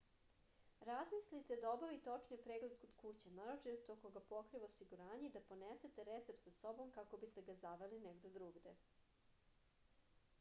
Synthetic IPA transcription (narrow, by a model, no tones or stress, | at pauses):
ɾazmislit̪ed̪aobaʋit̪ot͡ʂnipɾeːɡled̪̚kod̪̥kut͡ɕanaɾot͡ʃit̪et̪o̞ko̞ɡapo̞kɾiʋosiɡuɾaːɲeid̪apo̞nese̞t̪eɾet̪sep̚t̪saso̞bo̞mkako̞bist̪e̞ɡazaʋelineɡd̪od̪ɾuːɡd̪e